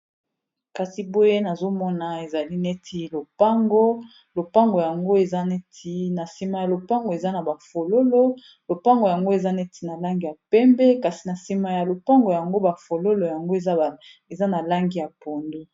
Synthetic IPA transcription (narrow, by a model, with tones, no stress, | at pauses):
ka˨si˨bo˦je˦na˨zo˦mɔ˦na˨e˨za˨li˦ne˦tʰi˦lo˨pa˦ŋɡo˦ | lo˨pa˦ŋɡo˨ja˨ŋɡo˦e˨za˦ne˦tʰi˦na˨si˨ma˨ja˨lo˨pa˦ŋɡo˨e˨za˦na˨ba˨fo˨lo˦lo˦ | lo˨pa˦ŋɡo˨ja˨ŋɡo˦e˨za˦ne˦ti̥˦na˨la˦ŋɡi˨ja˨pɛ˦mbɛ˦ka˨si˨na˨si˨ma˨ja˨lo˨pa˦ŋɡo˨ja˨ŋɡo˦ba˨fo˨lo˦lo˨ja˨ŋɡo˦e˨a˦˨ | e˨za˦na˨la˦ŋɡi˨ja˨po˨ndo˦